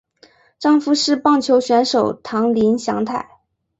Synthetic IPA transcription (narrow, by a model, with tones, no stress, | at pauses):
ʈ͡ʂɑ˥˧ŋfu˧˥ʂɻ̩˥˧pɑ˥˩ŋt͡ɕʰjo˧˥ʊɕɥɛ˧˥nʂo˨˩ʊt̪ʰɑ˧˥ŋli˧˥nɕjɑ˧˥ŋt̪ʰa˥˩ɪ